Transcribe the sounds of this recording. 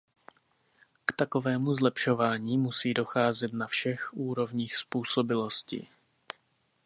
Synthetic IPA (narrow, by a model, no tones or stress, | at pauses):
kt̪ako̞vɛːmuzlɛpʃo̞vaːɲiːmusiːdo̞xaːzɛt̪nafʃɛxʔuːɾo̞vɲiːxspuːso̞bɪlo̞scḭ